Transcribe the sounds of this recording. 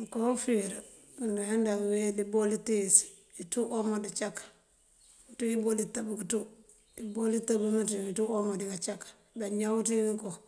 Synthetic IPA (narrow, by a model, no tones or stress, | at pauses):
ŋkofiɾa | kunduhendawelibolitis | ituʔomodit͡ʃakːḁ | tuibolitabukitu | ibolitabumatiituomodikat͡ʃakːḁ | beɲawtiŋŋko